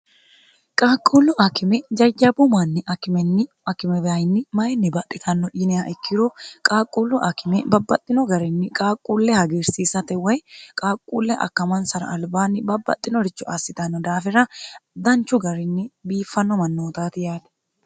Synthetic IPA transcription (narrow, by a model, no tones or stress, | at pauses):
kʼaːkʼːuːlːʊʔɐkɪmɛd͡ʒɐd͡ʒɐbʊmanːɪʔɐkɪmɛnːɪʔɐkɪmɛbɐjɪnːɪmɐjɛnːɪbɐt̪ʼːɪt̪ʰɐnːɔʔiːnɛaʔɛkʰːɪɾɔkʼaːkʼuːlːʊʔɐkɪmɛbɐbːɐt̪ʼːɪnɔɡɐɾɪnːɪkʼaːkʼːuːlːɛhɐɡeːɾsiːsɐt̪ɛwɐjkʼaːkʼːuːlːɛʔɐ̰kːɐmɐnsɐɾɐ̰ːlbaːnːɪbɐbːɐ̰t̪ʼːɪnɔɾɪt͡ʃːʊʔasɪt̪ɐnːɔd̪aːfɪɾɐd̪ɐnt͡ʃʊɡɐɾɪnːɪbiːfːɐnːɔmɐnːoːt̪aːt̪ɪjaːd̪ɛ̥